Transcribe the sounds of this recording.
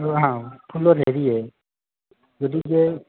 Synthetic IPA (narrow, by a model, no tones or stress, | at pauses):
ɹɔɦãpʰulɔtɦeɹiɛ | zodizɛ